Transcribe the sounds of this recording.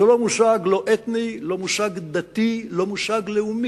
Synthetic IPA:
olo̞musaɡlo̞ʔet̪nilo̞musaɡd̪at̪ilo̞musaɡleumi

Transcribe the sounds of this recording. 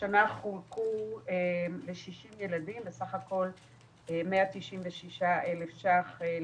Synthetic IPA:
ʃanaχulkuele̞ʃiʃimjeladimbesaχako̞l | emeat̪iʃimveʃiʃaʔelefʃaχe

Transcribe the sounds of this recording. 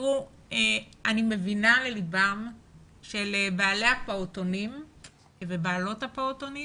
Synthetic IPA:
u | eanimevinalelibam | ʃelebaːlehapaotonim | vebaːlo̞thapaotoni

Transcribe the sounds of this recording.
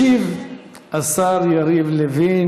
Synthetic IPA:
iv | asaɾjaɾivlevi

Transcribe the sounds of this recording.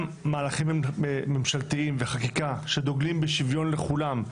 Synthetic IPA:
aːlaχimmemʃalt̪iimveχakikaʃe̞d̪oɡlimbeʃivjo̞nle̞χulam

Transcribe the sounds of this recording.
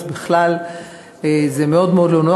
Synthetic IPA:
biχlal | ezemeo̞d̪meod̪lono

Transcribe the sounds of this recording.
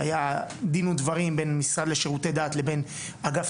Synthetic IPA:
ajad̪inud̪vaʁimbe̞nmisʁad̪le̞ʃeʁute̞daːt̪lebe̞n | aɡaf

